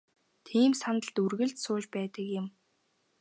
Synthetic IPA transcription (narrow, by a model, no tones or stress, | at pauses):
t̪ʰiːmsanə̆ɮt̪urɣɘ̆ɮt̪sʊːt͡ɕpæːt̪ə̆kjɪ̆m